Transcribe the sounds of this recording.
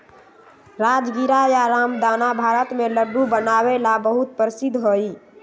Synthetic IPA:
ɾad͡ʒɡiɾajaɾamd̪anabʱaɾət̪meləɖːubənaβelabəɦut̪̚pɾsid̪ʱɦoi

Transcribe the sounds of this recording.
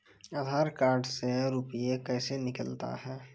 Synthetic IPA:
aːd̪ʱaːɾkaːɾɖseɾupijekɛːsenɪkəlt̪a̰ɦɛː

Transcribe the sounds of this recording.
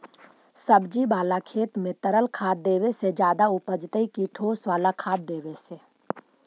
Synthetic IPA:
səbd͡ʒibaːlakʰeːt̪mẽt̪əɾəlkʰaːd̪̚d̪eːwesed͡ʒjaːd̪aʊpəd͡ʒt̪əikiʈʰoːsʋaːlakʰaːd̪̚ːeːwese

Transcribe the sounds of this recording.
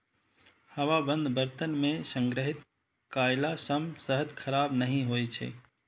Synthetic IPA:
həʋabənd̪ʱbəɾt̪ənmesəŋɡɾəɦit̪̚ | kajlasəmsəɦəd̪kʰəɾabnəɦĩɦojt͡ʃʰɛ̰

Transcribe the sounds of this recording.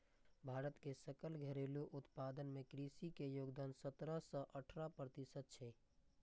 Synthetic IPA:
bʱaːɾət̪kesəkəlɡʱəɾeːluʔʊt̪paːd̪ənmẽkɾisikejoːɡd̪aːnsət̪ɾəsə̃ʔəʈʰɾapɾət̪ɪsəd̪̚t͡ʃʰe

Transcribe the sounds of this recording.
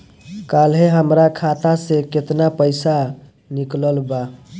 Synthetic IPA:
kalɦeɦəmɾakʰat̪aseket̪napəɪsa | nikləlba

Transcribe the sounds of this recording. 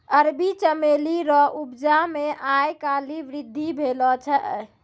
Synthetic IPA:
əɾbit͡ʃəmeliɾɔʔubd͡ʒameʔajkaliʋɾid̪ʱːibʱelɔt͡ʃʰɛʔ

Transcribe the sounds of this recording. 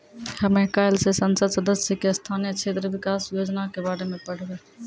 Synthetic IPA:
hɐmẽkaːjlsesənsəd̪səd̪əsjəkest̪ʰaːnijət͡ʃʰeːt̪ɾəʋɪkaːsjoːd͡ʒnakebaːɾemẽpəɽ̤ʋeː

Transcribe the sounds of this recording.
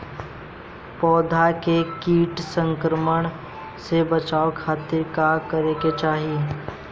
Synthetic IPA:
pɔːd̪ʱakekiːʈsə̃ŋkɾəməɽ̃ | sebət͡ʃaːokʰaːt̪ɪɾkakəɾeket͡ʃaːɦie

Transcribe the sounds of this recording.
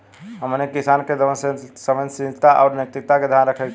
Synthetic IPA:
ɦəmnekisanked̪əənssəmə̃nsĩd͡ʒt̪aʔaʊɾnək̚t̪ik̚t̪aked̪ʱjanɾəkʰɛ

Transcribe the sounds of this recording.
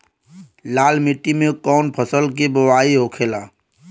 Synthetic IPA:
laːlmiʈːimẽkɔːnpʰəsəlkibəwaːiɦoːkʰeːlaː

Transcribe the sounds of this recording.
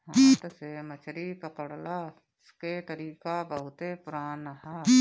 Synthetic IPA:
ɦt̪ɐseːmɐt͡ʃʰɾikɐpəɽlaː | sket̪əɾiːkabəɦʊt̪epʊɾaːnəɦa

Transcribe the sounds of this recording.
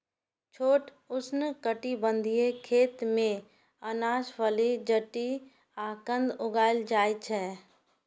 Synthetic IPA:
t͡ʃʰoːʈ | ʊsnəkəʈibə̃nd̪ʱijekʰeːt̪mẽ | ənaːʃʋəlid͡ʒəʈi | aːkə̃nd̪ʊɡaːɪld͡ʒaːit͡ʃʰɛː

